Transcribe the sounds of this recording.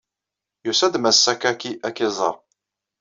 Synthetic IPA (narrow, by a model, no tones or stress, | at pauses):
jusæd̪mæsːækækiʔækːizˤə̰ɾˤ